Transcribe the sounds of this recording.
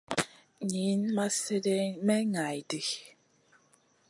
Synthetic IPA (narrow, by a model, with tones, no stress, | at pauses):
ɲi˨˦nma˦sɛ˦dɛ˦mɛ˦ŋa˨jdi˨